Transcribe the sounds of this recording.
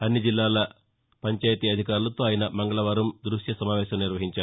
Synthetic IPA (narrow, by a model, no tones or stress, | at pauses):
ɐnːid͡ʒilːaːlɐ | pɐɲt͡ʃaːjt̪iːɐd̪ʱikaːɾulɐt̪oːaːjɐnɐmɐŋɡɐɭɐʋɐːɾɐmd̪ɾuʂjɐsɐmaːʋɛːʃɐmniɾʋɐɦiɲt͡ʃaː